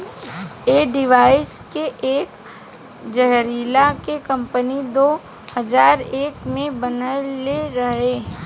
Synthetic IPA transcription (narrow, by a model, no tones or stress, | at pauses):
eːɖɪʋaːɪskeʔeːk | d͡ʒɛɦɾiːlakekɐ̃mpənid̪oː | hɐzaːɾeːkmẽbənəleɾɐɦẽ